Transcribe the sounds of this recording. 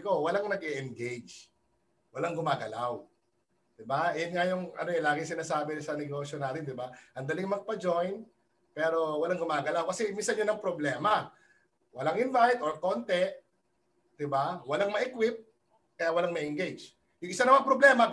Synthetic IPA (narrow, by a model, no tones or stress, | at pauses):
ɪko̞wɐlaŋnɐɡɛʔɛnɡejd͡ʒ | wɐlaŋɡʊmaːɡɐlaw | d̪̥ɪbaʔjʊnŋajʊŋɐ̰noɛlaːɡɪsɪnaːsaːbɪsɐnɛɡo̞ːʃjonaːt̪ɪnd̪ɪbaʔɐnd̪ɐlɪŋmɐɡ̚pɐd͡ʒo̞jn | pɛːɾo̞wɐlaŋɡʊmaːɡɐlawkɐsɛminsɐnjʊnɐŋpɾoblɛːmɐ | wɐlaŋʔɪnvajt̪oɹkont̪ɛ | d̪̥ɪbawɐlaŋmɐʔɪkwɪp̚ | kɐjawɐlaŋmɐʔɪŋɡejd͡ʒ | jʊŋʔɪsanɐmɐŋpɾoblɛːmɐ